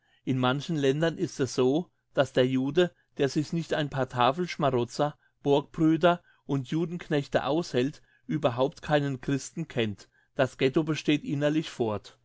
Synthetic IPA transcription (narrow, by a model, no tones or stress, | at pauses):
ʔɪnmançn̩lɛndɐnʔɪstɛsz̥oː | d̥asd̥eːɐjuːdə | d̥eːɐzɪçnɪçtʔaɪnpʰaːɐtʰaːfl̩ʃmaʁʊt͡sɐ | b̥ʊɐk̚b̥ʁyːdɐ | ʔʊntʰjuːdn̩knɛçtə̰ʔa̰ʊshɛlt | ʔyːbɐɦaʊp̚tkʰaɪnənkʁ̥ɪstn̩kʰɛnt | d̥asɡ̥ɛtobəʃteːtʔɪnɐlɪçfɔɐt